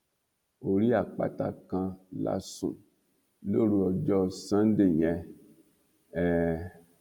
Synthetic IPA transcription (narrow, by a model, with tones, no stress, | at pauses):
o˨ɾi˦a˨k͡pa̰˦ta˧kã˧la̰˦sṵ̃˨ | lo˦ɾu˧ɔ˨d͡ʒɔ˦sã˦n˦de˦˨ɲɛ˧ | ɛ˨